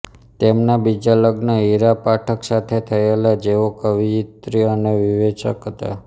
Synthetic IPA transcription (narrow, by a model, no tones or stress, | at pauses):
t̪emnabid͡ʒaləɡnəiɾapaʈʰəksat̪ʰet̪ʰəelad͡ʒeʋokəʋiit̪ɾiəneʋiʋet͡ʃəkɦət̪a̰